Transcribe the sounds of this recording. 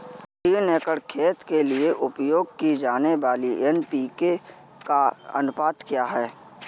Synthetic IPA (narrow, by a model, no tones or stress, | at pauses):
iːneːkəɽkʰeːt̪kelieʔʊpjoːɡkid͡ʒaːneʋaːliɛnpiːke | kaə̰nʊpaːt̪kjaːɦɛː